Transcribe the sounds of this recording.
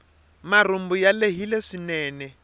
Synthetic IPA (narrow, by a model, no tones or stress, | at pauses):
marum̩bujaleɦileʂinɛːnɛ